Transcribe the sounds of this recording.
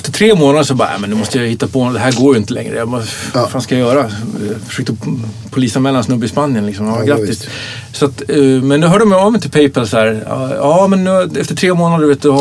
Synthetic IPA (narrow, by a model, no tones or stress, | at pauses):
ɛft̪əʈʰɾeːmoːnad̪əsɔbɑ̰ːmɛnːʉːmɔst̪əjahɪt̪ːapʰɔd̪ɛɦæːɾɡoːjɪnt̪əlɛ̰ŋɾə̰jɑbafaːnskajajœːɾajfœ̥ʂøːk̚t̪ə | pʰʊliːsanmɛlːansnɵbːəɪspanːɪənlɪksɔmjaaɡɾaːɪst̪ | sat̪mɛnd̪ɔɦœːɖəmɛɔmɪnt̪ɪpʰɛjpalsæːɾ̰ɑːmɛnːʉɛft̪əʈʰɾeːmoːnad̪əɾveːt̪̚d̪ʊ